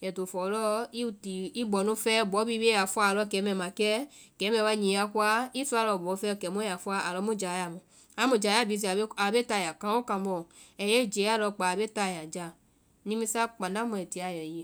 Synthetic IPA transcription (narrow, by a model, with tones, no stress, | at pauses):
jɛ˨to˨fɔ˨˧lɔ˦i˦ti˨i˦ɡ͡bɔ˨nũ˧˦fɛ˦˨bɔ˨˦bi˧be˦a˨fu˧˦a˧˨lɔ˧˦˨kɛ˨˦mɛ˧˨mã˨kɛ˦kɛ˨˦mɛ̃˧˨wa˧ɲĩ˧˨˧a˧ku˦a˦i˦su˦˧˦a˧lɔ˧˨bɔ˨˦fɛ˦ɔ˧˨kɛ˨mũ˦ja˨fu˧˦a˧˦a˨lɔ˧˦mũ˦˨d͡ʒa˨ja˨mũ˨ | a˨˦mũ˧˨d͡ʒa˨ja˦˨bi˧s̬i˧a˨˦a˨be˦ta˧˨ja˨kã˨˦o˦kã˧bɔ˨ | ɛ˨je˦˨d͡ʒe˨˦a˦˨lɔ˧k͡pa˨be˦ta˧˨ja˨d͡ʒa˧ | nĩ˦mĩ˧˦sa˦k͡pã˨dã˦mũ˧ɛ˨ti˧˦a˧˨jɔ˨je˨